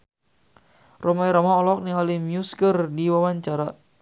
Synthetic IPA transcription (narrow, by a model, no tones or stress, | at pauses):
rɔmaiɾamaɔlɔk̚nialimjuskərdiwawaɲt͡ʃaɾa